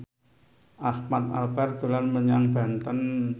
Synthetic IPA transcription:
ʔahmat̪̚a̰lb̥ɛrɡ̪̥ṳlanməɲaŋbant̪ən

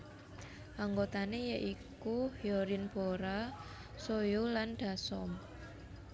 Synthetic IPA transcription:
ʔaŋɡot̪anejəʔikuhioɾinb̥oɾa | sojolanɖ̪̥a̤sɔm

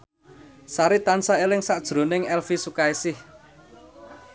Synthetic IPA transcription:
saɾit̪ansaelɪŋsaʔd̥ʒ̥ɾo̤nɪŋɛlfisukaisɪh

